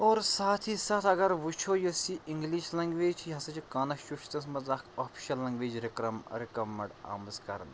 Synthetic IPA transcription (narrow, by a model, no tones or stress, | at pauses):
oːɾsaːt̪ʰiːsaːt̪ʰɐɡɐɾʋut͡ʃʰojosiʔiŋɡliːʃlɐŋɡʋeːd͡ʒt͡ʃʰiɦɐsɐt͡ʃʰikaːnɐkʃuʃt̪ɐsmɐzakʰoːpʰi̥ʃɐllɐŋɡʋeːd͡ʒɾikɾɐmɾɪkɾɐmːɐɖa̰ːmɐzkɐɾɐ̰n